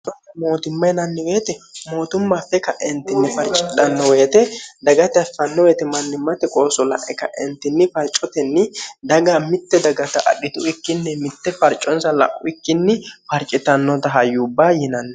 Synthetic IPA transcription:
t̪ɐɐmo̞ːt̪ɪmːɐjnɐnːɪweːt̪ɛmo̞ːt̪ʊmːafːɛkɐʔɛnt̪ːɪnːɪfɐɾt͡ʃʼɪt̪ʼːɐnːɔweːt̪ɛd̪ɐɡɐt̪ɐfɐnːɔweːt̪ɛmɐnːɪmːɐt̪ɛkʼoːsɔlɐ̰ʔɛkːɐ̰ʔɛnt̪ːɪnːɪfɐɾt͡ʃʼːɔt̪ɛnːɪd̪ɐɡaːmɪt̪ːɛd̪ɐɡɐt̪ɐʔɐ̰ɗɪt̪ʊɪkːɪnːɛmɪt̪ːɛfɐɾt͡ʃʼːɔnsɐlɐ̰ʔːʊɪkːɪnːɪfɐɾt͡ʃʼɪt̪ːɐnːɔt̪ɐɦɐjːʊːbːaːjɪnɐnːɛ

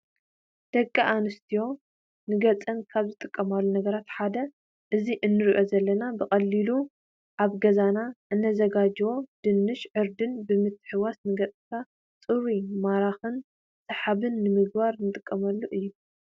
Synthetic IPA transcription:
d̪̥ɐkʼːiʔanɨst̪ʰijo̞ | nɨɡɐt͡sʼɐnkʰaβzɨt̪ʼɨkʼːɐmalːunɐɡɐɾat̪ħad̪ɐ | ʔɨziʔɨnːɨɾiʔo̞zɐlːɐnabɨkʼɐlːilu | ʔaβɡɐzanaʔɨnːɐzɐɡad͡ʒwo̞d̪̥ɨnːɨʃʕɨɾd̪ɨnbɨmɨt̪ʰːɨ̥ħɨwasnɨɡɐt͡sʼkʰa | t͡sʼɨɾimaɾaxɨn | sʼɨħaβɨnːɨmɨɡ̚baɾnɨt̪ʼɨkʼːɐmɐlːuʔɨjːu

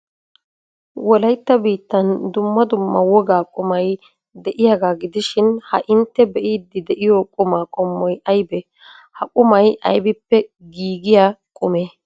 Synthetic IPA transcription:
wɔlɐjt̪ːɐbiːt̪ːɐnd̪ʊmːɐd̪ʊmːɐ̰wɔɡaːkʼʊmɐj | d̪ɛʔɪjaːɡaːɡɪd̪ɪʃɪnhɐ̰ʔɪnt̪ːɛbɛʔiːd̪ːɪd̪ɛʔɪjɔkʼʊmaːkʼɔmːɔjʔɐjbɛ | hɐkʼʊmɐjʔɐ̰jbɪpːɛɡiːɡɪjaːkʼʊmeː

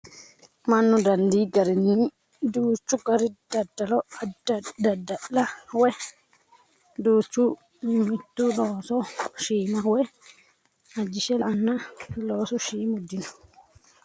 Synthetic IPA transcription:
manːudandiɡaɾini | duːt͡ʃːukaɾidadːalɔadadadaɗlawɛ | duːt͡ʃːu | mitːulɔsɔʃiːmawɛ | ad͡ʒiʃɛlanːalɔsɔʃiːmudːinɔ

